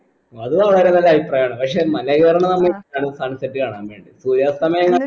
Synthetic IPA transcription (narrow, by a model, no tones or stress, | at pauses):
ɐðɨʋɐɭɐɾunɐlːɐʋipraːjaːɳɨpɐkʂe̞mɐlɐɣeːɾɐɳɐmnɐmːeaːɳɨsʰaːnsɐʈːɨkaːɳaːmʋe̞ːɳɖisuːɾjaːsɐmɐjɐŋːɐ